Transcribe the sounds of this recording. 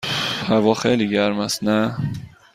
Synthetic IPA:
hævɒːxejliɡæɾmæst̪næ

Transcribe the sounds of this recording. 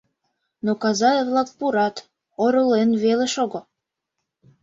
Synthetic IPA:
nokɑzɑevlɑk̚puɾɑt̪ | oɾolenβeleʃoɣŏ

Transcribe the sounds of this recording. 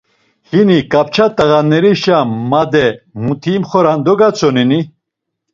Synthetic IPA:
hinikʼap̚t͡ʃʰat̪ʼəɣanːɛɾiʃamːad̪ɛmut̪ʰimχɔɾand̪ɔɡat͡sʰɔnini

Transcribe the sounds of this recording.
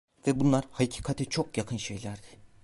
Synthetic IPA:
vɛbunlˠaɾhacʰi̥kʰat̪ʰɛt͡ʃʰo̞kjakʰɯnʃe̞jlʲæɾd̪ɪ̥

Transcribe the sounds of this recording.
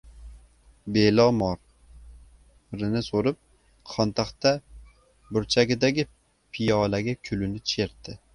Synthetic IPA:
belɒmɒɾ | ɾɪnɪsoɾɪp̚ | qʰɒnt̪ʰaχt̪a | bʊɾt͡ʃʰaɡʲɪd̪aɡʲɪ | pʰɪjɒlaɡʲakʲʰʊlɪnɪt͡ʃʰe̞ɾt̪ɪ

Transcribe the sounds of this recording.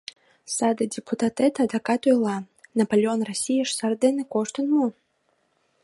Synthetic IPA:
sɑd̪ədʲeput̪ɑt̪et̪ɑd̪ɑkɑt̪ojlˠɑ | nɐpolʲeonrosʲijəʃsɑrt̪̚d̪enekoʃt̪ənmu

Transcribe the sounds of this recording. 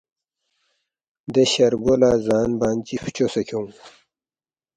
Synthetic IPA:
d̪eɕɐɾɡolaːzaːnbaːnt͡ɕift͡ɕosɐkʰo

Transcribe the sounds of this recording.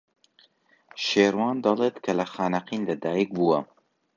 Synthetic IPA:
ʃeːɾwɑːnd̪ɐlˠet̪kʰɐlɐxaːnɐqiːnlɐd̪aːjik̚buwɐ

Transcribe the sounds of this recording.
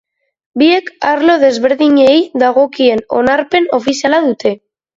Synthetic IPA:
bie̞kaɾlo̞ð̞e̞zβe̞ɾðiɲe̞jðaɣo̞kie̞no̞̰naɾpe̞no̞fisialaðut̪e̞

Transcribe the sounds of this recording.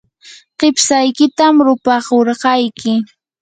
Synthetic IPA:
qepsajkɪt̪amɾʊpɑχoɾɢɑjkɪ

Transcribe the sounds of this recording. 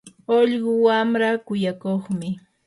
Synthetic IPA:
oʎɢʊwamɾakʊjakoχmɪ

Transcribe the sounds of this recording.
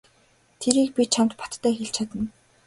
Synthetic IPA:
t̪ʰeɾiːk̚pʲit͡ɕʰamt̪pɔ̥t̪ːʰæːxeɬt͡ɕʰat̪ə̆n

